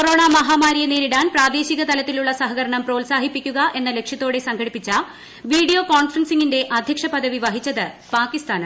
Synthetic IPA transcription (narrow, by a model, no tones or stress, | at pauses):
koɾo̞ːɳamɐɦaːmaːɾijɐneːɾiɽaːnpraːd̪e̞ːɕiɣɐt̪ɐlɐt̪ːiluɭːɐsɐɦɐɣɐɾɐɳɐmpro̞ːlsaːɦipːikʲːuɣɐʔe̞nːɐle̞kʂjɐt̪ːo̞ːɽe̞sɐŋɡʰɐɽipːit͡ɕːɐ | ʋiːɽijo̞ːkoːɳfrɐnsiŋinde̞ʔɐd̪ʱjɐkʂɐpɐd̪ʱɐʋiʋɐɦit͡ɕːɐðɨ | paːkːist̪aːnɐm